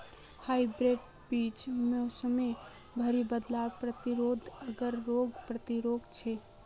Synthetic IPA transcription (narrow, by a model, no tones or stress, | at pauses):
haibɾeɖ | bit͡ʃmeosəme | bʱəɾibəd̪lapɾət̪iɾod̪ʱəɡəɾːoɡpɾət̪iɾoɡt͡ʃʰɛ